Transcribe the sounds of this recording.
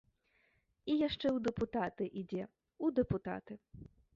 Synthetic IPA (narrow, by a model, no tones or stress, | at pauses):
ijaʂt͡ʂɛwd̪ɛput̪at̪ɨʔid͡zʲɛ | ud̪ɛput̪a̰t̪ɨ